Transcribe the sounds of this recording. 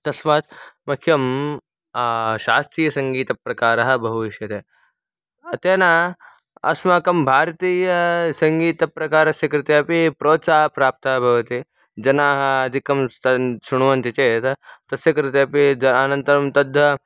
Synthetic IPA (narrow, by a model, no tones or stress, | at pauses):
t̪ɐsmaːt̪mɐkʰjɐm | ʃaːst̪ɾiːjɐsɐŋɡiːt̪ɐpɾɐkaːɾɐɦɐ̆bʱɐɦuʋiʃjɐt̪e | ɐt̪eːnaː | ɐ̰smaːkɐmbʱaːɾɐt̪iːjɐsɐŋɡiːt̪ɐpɾɐkaːɾɐsjɐkɾɪt̪eɐpipɾoːt̪saːɦɐpɾaːp̚t̪ɐːɦɐbʱɐʋɐt̪i | d͡ʒɐnaːɦɐɐd̪ʱikɐmt̪ɐʃuɳ̃uʋɐnt̪it͡ʃeːt̪ɐt̪ɐsjɐkɾɪt̪eɐpid͡ʒɐɐnɐnt̪ɐɾɐmt̪ɐd̪ʱːɐ